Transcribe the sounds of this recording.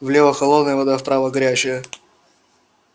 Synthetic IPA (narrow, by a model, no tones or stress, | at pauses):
vlʲevəxɐlˠod̪nəjəvɐd̪afpɾavəɡɐɾʲæt͡ɕɪjə